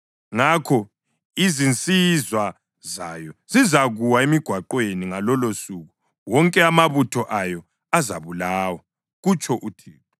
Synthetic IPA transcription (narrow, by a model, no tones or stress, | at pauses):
ŋakʰɔ | izint͡sʼizwa | za̰jɔzizaɣuwaemiɡ̥ʱwaǃweniŋalɔlosuɣu | wɔŋkʼɛamaβutʰɔʔajɔ | azaβulaːwa | ɣut͡ʃʰʼɔʔutʰiːɔ